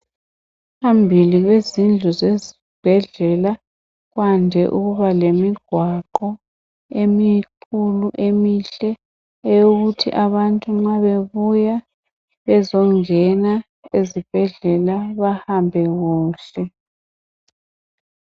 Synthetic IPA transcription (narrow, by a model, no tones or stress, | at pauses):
pʰambʱiliɣwezind͡ɮʱuzezi | b̥ʱɛɮɛla | ɣwandʱɛʔuɣuβalemiɡ̥ʱwaǃɔ | emiǃʰuluʔemiɬɛ | ɛjuɣutʰḭʔaβantʼuŋ͡ǁaβeβuja | βɛzɔŋɛna | ezib̥ʱɛɮɛlaβahambʱɛɣuːɬɛ